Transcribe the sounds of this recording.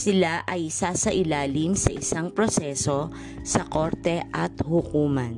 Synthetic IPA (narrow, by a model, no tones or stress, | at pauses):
sɪlaʔɐjsaːsɐʔɪlaːlɪmsɐʔɪsaŋpɾosɛːso̞ | sɐko̞ɾt̪ɛʔɐt̪hʊkuːmɐn